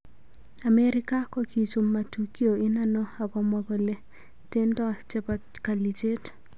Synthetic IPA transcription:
a˨me˦ɾɪ˦ka˦kɔ˦ki˨t͡ʃu˨mːa˨tu˨ki˦o˨ɪ˦na˦nɔ˦a˨kɔ˨mɔ˨ɡɔ˨le˦˨ | te˦ntɔ˦t͡ʃɛ˦pa˨ | ka˨li˨t͡ʃe˦t

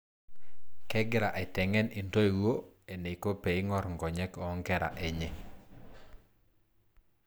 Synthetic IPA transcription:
kɛ˦ɡɪ˦ɾa˨ʔɛ˨tɛ˨ŋɛ˦ni˨nto˦e˨wo˦e˨ne˨ko˦pe˨ɪ˦ŋɔ˦ɾŋɡɔ˨ɲɛ˦kɔ˦ŋɡɛ˦ɾa̰˨ʔɛ˨ɲe˦

